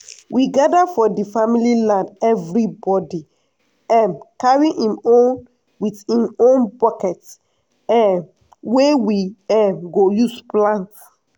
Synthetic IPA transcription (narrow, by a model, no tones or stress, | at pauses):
wiɡadafɔdifamililãndɛvɹibɔdi | ɛ̃mkaɹĩĩmõn | wiθhĩmõnbɔkɛt | ɛn | wewiɛ̃mɡojusplãnts